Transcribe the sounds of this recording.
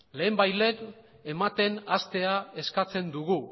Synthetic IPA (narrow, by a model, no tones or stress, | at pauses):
le̞ːmbajle̞n | e̞mat̪e̞nast̪e̞ae̞skat͡se̞nd̪uɣu